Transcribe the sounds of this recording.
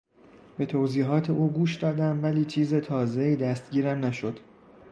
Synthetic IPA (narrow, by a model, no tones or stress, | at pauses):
be̞t̪ʰoːziːɦɒːt̪ʰe̞ʔuːɡuːʃd̪ɒːd̪æmvæliːt͡ʃʰiːze̞t̪ʰɒːze̞iːd̪æst̪̚ɟiːɾæmnæʃod̪̥